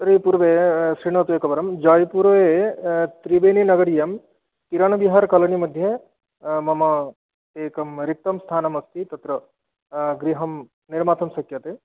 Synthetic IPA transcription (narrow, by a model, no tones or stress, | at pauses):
t̪ɾipuɾʋesɾiɳ̃ɐt̪uekɐbɐɾɐmd͡ʒaːjpuɾʋet̪ɾibeːninɐɡɐɽijɐm | kiɾɐɳbiɦaːɾkɐlɐnimɐd̪ʱje | mɐma | t̪eːkɐmɾik̚t̪ɐmst̪ʰaːnɐmɐst̪it̪ɐt̪ɾɐ | ɡɾiɦɐm | niɾmaːt̪ʰɐmsɐkjɐt̪e